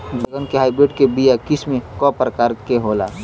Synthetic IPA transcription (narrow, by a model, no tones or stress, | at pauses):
d̪əɡənkeɦaːɪbɾeɖkebijakɪsmẽkɔpɾəkaːɾkeɦoːla̰